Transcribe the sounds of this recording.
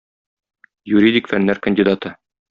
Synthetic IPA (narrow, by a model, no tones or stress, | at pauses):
juɾʲid̪ʲikfænːæɾkənʲdʲid̪ɑt̪ɤ